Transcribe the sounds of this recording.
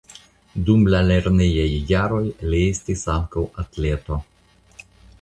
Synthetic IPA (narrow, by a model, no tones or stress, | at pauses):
d̪umlaleɾnejajːaɾo̞jliest̪isaŋkawat̪le̞t̪o